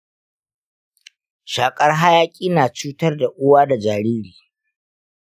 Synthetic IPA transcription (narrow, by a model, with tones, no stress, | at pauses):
ʃaː˨kʼɐ˦rɦa˦jaː˦kʲʼiː˦naː˨t͡ʃuː˦tɐ˦rda˨ʔʊ˦waː˦da˨d͡ʒaː˨ɾiː˦ɽiː˨